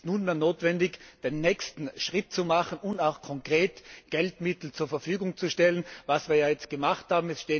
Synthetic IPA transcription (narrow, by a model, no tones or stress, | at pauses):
stnuːnmeːɐnoːtv̥ɛndɪçd̥enːɛkstn̩ʃʁ̥ɪt̚t͡sumaχən̩ʊntaʊxkʰɔŋkʁ̥eːtɡ̥ɛltmɪtl̩t͡suːɐfɛɐfyːɡʊŋt͡suʃtɛlənvasv̥iːɐjaːjɛt͡st̚ɡ̥əmaχthaːbm̩ɛsʃteː